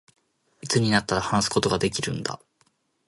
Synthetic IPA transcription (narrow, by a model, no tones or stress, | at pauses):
it͡sɨɲ̟inat̪ːaɾahanasɨ̥ko̞t̪o̞ɡad̪e̞kʲiɾɯ̟̰̃nd̪a̰